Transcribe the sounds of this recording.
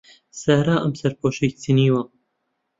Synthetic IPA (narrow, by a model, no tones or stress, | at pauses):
sæɾaːʔɐmsɐɾpʰoːʃejt͡siniːwɐ